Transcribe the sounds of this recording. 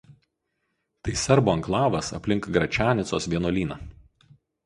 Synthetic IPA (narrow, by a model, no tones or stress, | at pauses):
t̪ɐɪsʲɛɾboːɐŋklˠɑːʋɐsɐ̰pʲlʲɪŋkɡɾɐt͡ʃʲæːnʲɪt̪soːsʋʲiɛnoːlʲiːnɑː